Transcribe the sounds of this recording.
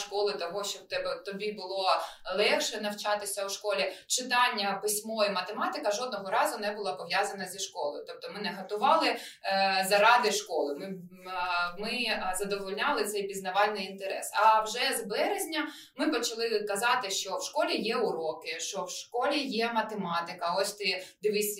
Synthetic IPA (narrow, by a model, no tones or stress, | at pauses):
ʃkɔlˠɪt̪ɔɦɔʃt͡ʃɔb̚t̪ɛbt̪ɔbʲibʊlˠɔlˠɛxʃɛnɐwt͡ʃɑt̪ɪsʲɐwʃkɔlʲit͡ʃɪt̪ɑnʲːɐpɪsʲmɔjimɐt̪emɑt̪ɪkɐʒɔd̪̚nɔɦɔɾɑzʊnɛbʊlˠɑpɔʋjɑzɐnɐzʲiʃkɔlˠɔjʊt̪ɔp̚t̪ɔmɪnɛɦɐt̪ʊʋɑlˠɪ | zɐɾɑd̪ɪʃkɔlˠɪmɪ | mɪzɐd̪ɔʋɔlʲnʲɑlˠɪt̪sɛjpʲiznɐʋɑlʲnɪjint̪eɾɛ̰sɐwʒɛzbɛɾezʲnʲɐ | mɪpɔt͡ʃɐlˠɪkɐzɑt̪ɪʃt͡ʃɔwʃkɔlʲijɛʊɾɔkɪʃt͡ʃɔwʃkɔlʲijɛmɐt̪emɑt̪ɪkɐɔsʲt̪ɪd̪ɪʋɪsʲ